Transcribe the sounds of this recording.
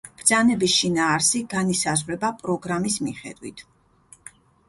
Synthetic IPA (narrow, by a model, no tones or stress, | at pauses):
b̥ɾd̪zanɛbisʃinaːɾsiɡanisazʁvɾɛbapʼɾɔɡɾamismiχɛ̰d̪̥wḭt̪ʰ